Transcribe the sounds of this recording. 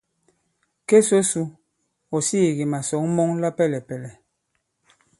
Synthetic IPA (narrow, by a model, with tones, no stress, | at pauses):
ke˦so˦su˦ | ɔ˨si˦˨ɣi˨ma˨sɔ˨˦ŋ˦mɔ˦ŋla˦pɛ˦˨lɛ˨pɛ˨lɛ˨